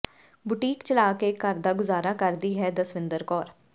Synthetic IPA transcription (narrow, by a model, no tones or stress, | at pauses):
bʊʈiːkt͡ʃəlaːkeːkəɾd̪aːɡʊzaːɾaːkəɾd̪iːɦɛːd̪əsʋɪ̃nd̪əɾkɔːɾ